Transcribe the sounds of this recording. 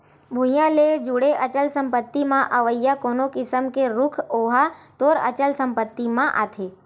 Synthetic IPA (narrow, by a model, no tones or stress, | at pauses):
bʱũjãled͡ʒuɽeʔət͡ʃəlsəmpət̪ːimãʔəʋəjːakonokɪsəmkeɾʊkʰoɦat̪oɾə̰t͡ʃəlsəmpət̪ːimãʔa̰t̪ʰe